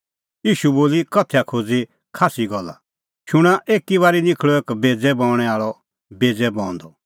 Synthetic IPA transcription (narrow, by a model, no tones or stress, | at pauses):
iːʃuboːlikɐt̪ʰɛakʰoːd͡zi | kʰaːsiɡɔlːa̰ | ʃʊɽ̃aʔeːkiβaːɾinɪkʰɭɔeːkbeːd͡zɛbɔ̃ːʊɽ̃ɛaːɭɔ | beːd͡zɛbɔ̃ːnd̪ɔ